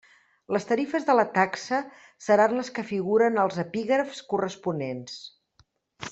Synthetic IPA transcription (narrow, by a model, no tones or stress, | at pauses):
ləst̪əɾifəzðələt̪aksə | səɾanləskəfiɣ̞uɾənəlˠzəpiɣɾəfskurəspunens